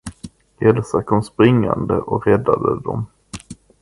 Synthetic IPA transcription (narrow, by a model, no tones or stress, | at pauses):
ʔɛlsakʰɔmspɾɪŋːand̪əʔɔɾɛd̪ːad̪əd̪ɔm